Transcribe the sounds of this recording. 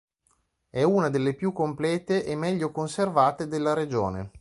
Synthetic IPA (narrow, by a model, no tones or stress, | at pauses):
ɛuːnad̪elːepjukːomplɛːt̪eʔemːɛʎːokonservaːt̪ed̪elːaɾed͡ʒo̰ːnḛ